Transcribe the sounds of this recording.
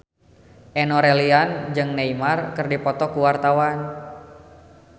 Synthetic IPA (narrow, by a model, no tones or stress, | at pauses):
ʔɛnɔɾɛliand͡ʒɨŋneimarkɨrdipɔt̪ɔkuwart̪awan